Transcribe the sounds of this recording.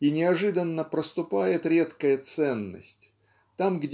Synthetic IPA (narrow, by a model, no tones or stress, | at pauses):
inʲɪɐʐɨd̪ənːəpɾəst̪ʊpajɪt̪ɾʲet̪kəjət̪sɛnːə̰sʲtʲ | t̪amɡdʲ